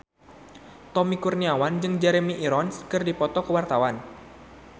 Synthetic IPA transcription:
t̪ɔmikurniawand͡ʒɨŋd͡ʒɛɾemiʔiɾɔnskɨrdipɔt̪ɔkəwart̪awan

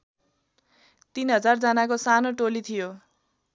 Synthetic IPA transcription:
t̪inɦʌd͡zard͡zʌnakosanoʈolit̪ʰijo

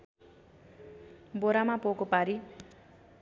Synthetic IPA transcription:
boɾamapokopaɾi

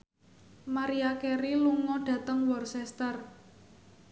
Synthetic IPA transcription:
maɾiakeɾiluŋɔɖ̥ä̤t̪əŋwɔrsɛst̪ər

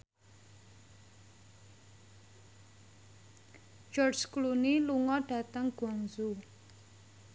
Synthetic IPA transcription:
d͡ʒɔrd͡ʒkluniluŋɔɖ̥a̤t̪əŋɡ̥ɔŋzu

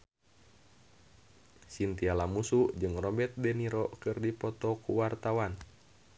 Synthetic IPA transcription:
sint̪ialamusuʔd͡ʒɨŋrɔbɛt̪̚dɛniɾɔkɨrdipɔt̪ɔkuwart̪awan

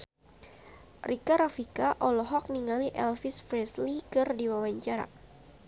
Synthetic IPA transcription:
rʔikaɾafikaʔɔlɔɦɔk̚niŋaliʔɛlfisfɾɛslikɨrdiwawaɲt͡ʃaɾa̰

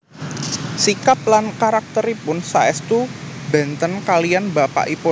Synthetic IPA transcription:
sikap̚lankaɾak̚t̪əɾipʊnsaɛst̪uba̤nt̪ənkalianbapa̰ʔipo

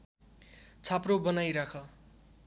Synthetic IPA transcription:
t͡sʰaprobʌnajɾakʰʌ

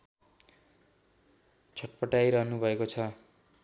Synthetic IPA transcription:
t͡sʰʌʈ̚pʌʈajɾʌɦnubʱʌekot͡sʰʌ

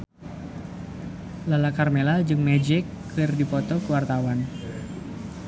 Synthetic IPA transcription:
lalakarmelald͡ʒɨŋmɛd͡ʒɪkː | ɪrdipɔt̪ɔkəwart̪awan

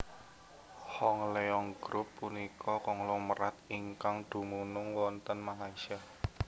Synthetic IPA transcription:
hɔŋleɔŋɡ̥ɾʊpːunikʰɔkɔŋlɔməɾat̪̚iŋkaŋd̪̥ṳmunʊŋwɔnt̪ənmalaisia

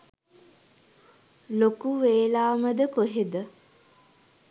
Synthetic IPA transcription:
lokuʋeːlaːməd̪əkoɦed̪ə

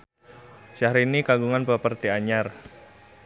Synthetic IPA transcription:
saɾinikaɡuŋanpəpərt̪iaɲar

